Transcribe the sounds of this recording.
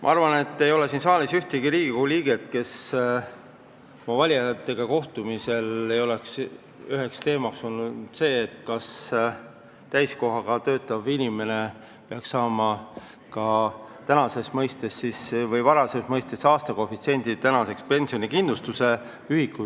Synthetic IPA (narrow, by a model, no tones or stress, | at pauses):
mʔɑ̰ɑrvɑne̞t̪ːe̞jo̞le̞sinsɑːlisyht̪eɡiɾiːɡ̥ikoliːɡ̥e̞t̪ke̞s | mɑvɑlʲjɑt̪ːˑe̞ɡ̥ɑko̞ht̪umise̞le̞jo̞le̞ks | yɦe̞kst̪e̞ːmɑkso̞lnud̪̥se̞ːt̪kɑs | t̪æjsko̞ɦɑɡɑt̪ø̞ːt̪ːˑɑvinʲime̞ne̞ | peɑksɑːmɑ | kɑt̪ænɑse̞smɤjst̪e̞sːisvɤjvɑɾɑse̞smɤjst̪e̞sɑːst̪ɑko̞fit̪sie̞nʲd̪i̥t̪ænɑse̞kspe̞nʲsionikind̪̥lust̪use̞ | yhikːˑu